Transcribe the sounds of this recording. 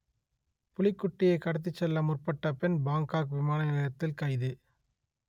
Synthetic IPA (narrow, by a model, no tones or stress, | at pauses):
pʊlɪkːʊʈːɪjɐɪkɐɽɐt̪̬ːɯt͡ʃːɛlːɐmʊrpɐʈːɐpɛnbaːŋkaːkʋɪmaːnɐnɐɐjɐt̪ːɪlkɐɪðɯ